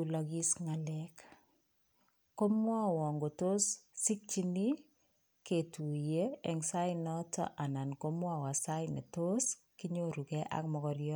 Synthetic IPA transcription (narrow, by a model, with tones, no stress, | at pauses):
u˨lɔ˨ki˦sŋalɛk | ko˦mwa˦wɔ˨ŋɡo˨to˦ssi˦k̚t͡ʃi˦ni˦ | ke˨tu˨je˦e˨ŋsa˦inɔ˦tɔ̰˦ʔa˨na˨nko˦mwa˦wa˨sa˦ine˨to˦s | ki˦ɲo˦ɾu˨kɛ˦ʔa̰˦k̚mɔ˨kɔ˨ɾjɔ˦